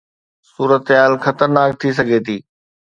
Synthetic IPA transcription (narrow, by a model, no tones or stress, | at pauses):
suːɾət̪ɦaːlxɐt̪əɾnaːk̚t̪ʰis̬ɐɡʱet̪ʰiː